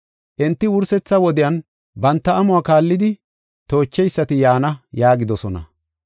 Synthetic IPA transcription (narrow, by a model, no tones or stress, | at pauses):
ʔɛnt̪ːɪwʊɾsɛt͡sːɐwɔd̪ɪjɐn | bɐnt̪ːɐːmʊwaːkaːlːɪd̪ɪ | t̪o̞ːt͡ʃːɛjsːɐt̪ɪjaːnɐjaːɡɪd̪ɔsɔnɐ̰